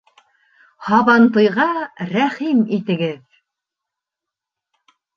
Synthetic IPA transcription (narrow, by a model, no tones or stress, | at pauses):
hɑβɑnt̪ɤ̆jʁɑɾæχimit̪ɘ̆ɡɘð